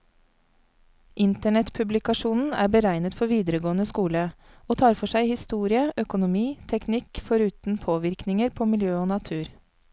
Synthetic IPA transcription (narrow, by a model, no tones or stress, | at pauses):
ʔɪnt̪əɳɛt̪pʰʉblɪkɑʃuːnn̩æ̰ːɾbəɾæɪnət̪fɔɾʋiːd̪əɾəɡoːənəskuːlə | oːt̪ʰɑːɾfɔʂæɪhɪst̪uːɾɪəʔœkʊnʊmiːt̪ʰɛknɪkfɔɾʉːt̪n̩pʰoːʋɪɾknɪŋəɾpʰoːmɪljøːoːnɑt̪ʰʉːɾ